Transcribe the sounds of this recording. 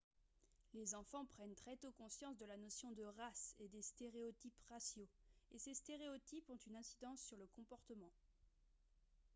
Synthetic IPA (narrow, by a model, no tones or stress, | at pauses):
lezɑ̃fɑ̃pχɛnt̪χɛt̪okɔ̃sjɑ̃sd̪əlanɔsjɔ̃d̪əʁased̪est̪eʁeɔt̪ipʁasjoesest̪eʁeɔt̪ipɔ̃t̪ynɛ̃sid̪ɑ̃sːyʁləkɔ̃pɔʁt̪əmɑ̃